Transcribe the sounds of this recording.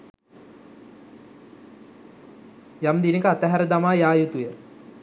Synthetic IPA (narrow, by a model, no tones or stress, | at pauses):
jamd̪inəkəat̪əɦæɾəd̪amaːjaːjut̪ujə